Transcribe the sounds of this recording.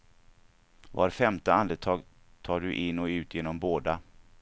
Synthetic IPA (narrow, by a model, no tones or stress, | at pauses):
va̰ɾfɛmt̪əand̪ət̪ʰɑːɡ | t̪ʰɑːɖɵʔɪnːɔʉ̟ːt̪ʰjeːnɔmboːd̪a